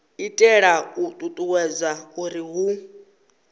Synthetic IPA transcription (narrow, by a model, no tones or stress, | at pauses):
itʼɛɺautʼutʼuwɛd͡zʷakʼuɾiɦu